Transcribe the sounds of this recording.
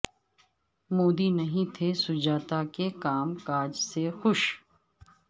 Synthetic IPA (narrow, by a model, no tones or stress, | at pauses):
moːd̪inɐɦĩt̪ʰesʊd͡ʒaːt̪akekaːmkaːd͡ʒsexʊʃ